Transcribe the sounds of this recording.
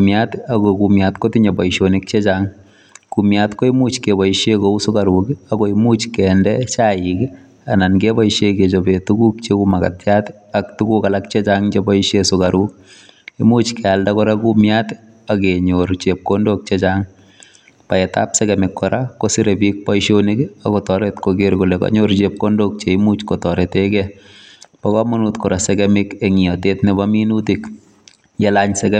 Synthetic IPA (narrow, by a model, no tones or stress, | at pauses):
umjatakokumjatkotiɲebɔiʃonɪk̚t͡ʃet͡ʃaŋ | kumjatkoimut͡ʃkebɔiʃjekousʊkaɾukakoimut͡ʃkɛndɛt͡ʃaik | anankebɔiʃeket͡ʃobetukuk̚t͡ʃekumaka̰tjat | aktukukalak̚t͡ʃet͡ʃaŋt͡ʃebɔiʃjesʊkaɾuk̚ | imuːt͡ʃkɛaldakɔɾakumjat | akeɲoɾt͡ʃep̚kondok̚t͡ʃet͡ʃaŋ | paeta̰psɛkɛmɪkːɔɾakosiɾebik̚pɔiʃonikakɔtɔɾetkoɡeɾkulekɔ̰ɲoɾt͡ʃep̚kondok̚t͡ʃeimut͡ʃkɔtɔɾetekɛ | pɔkɔmunutkɔɾaseɡɛmɪkeŋiɔtetnɪbaminutik | jelaɲsɛkɛ